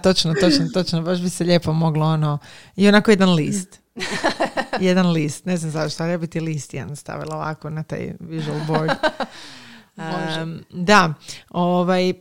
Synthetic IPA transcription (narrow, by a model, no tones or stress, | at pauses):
t̪o̞t͡ʃnot̪ot͡ʃnot̪o̞t͡ʃnobaʃbiseʎe̞ːpomo̞ɡlˠoonoionakojed̪anliːst̪ | jed̪anliːst̪ne̞znamzat̪oʃt̪aɾjabit̪ilist̪jed̪nst̪a̰ʋḭlˠaoʋa̰konat̪a̰ːjʋiʒualˠboɾd̪ | d̪aoʋaj